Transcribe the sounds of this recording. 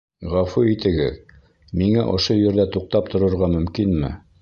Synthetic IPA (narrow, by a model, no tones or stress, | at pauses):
ʁɑfuit̪ɘ̆ɡɘ̰ð | miŋæʔŏʃojɵ̆ɾðæt̪uq̚t̪ɑp̚t̪ŏɾŏɾʁɑmɵ̆mkinmɘ̰